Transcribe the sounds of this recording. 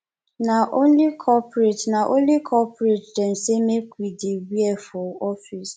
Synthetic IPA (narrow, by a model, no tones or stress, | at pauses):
naʔõnlikʰɔpɾetnaʔo̰nlikʰɔpɾetdɛnsemekidewiɛfɔɔfis